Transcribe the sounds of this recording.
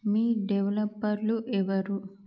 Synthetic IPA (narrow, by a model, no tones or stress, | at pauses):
miːɖeʋɐlɐpːɐɾluʔɛʋɐɾu